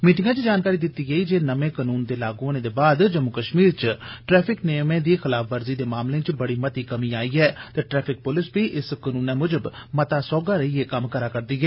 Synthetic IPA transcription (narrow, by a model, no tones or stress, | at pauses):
miːʈ̬ɪ̃ŋɡãːt͡ʃd͡ʒaːnkaːɾiːd̪ɪt̪ːiːɡəiːd͡ʒeːnəʋẽːkənuːnd̪eːlaːɡõnẽːd̪eːbaːd̪d͡ʒəmʊkəʃmiːɾt͡ʃʈɾɛːpʰɪknejmẽːd̪iːxɪlaːfʰʋəɾziːd̪eːmaːmlẽːt͡ʃbəɽiːmət̪iːkəmiːaːiːɛːt̪eːʈɾɛːpʰɪk̚pʊlɪsbiːʔɪskənuːnɛ̃ːmʊd͡ʒəbmət̪aːsɔːɡaːɾəieːkəmkəɾaːkəɾd̪iːɡɛː